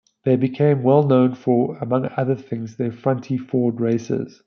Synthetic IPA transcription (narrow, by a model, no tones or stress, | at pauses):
ðeɪbɪkʰẽɪ̃mwɛlˠnõʊ̃nfəəmʌ̃ŋʌðəθɪ̃ŋzðəfɹʌ̃ntʰifɔːdɹeɪsə̰z̥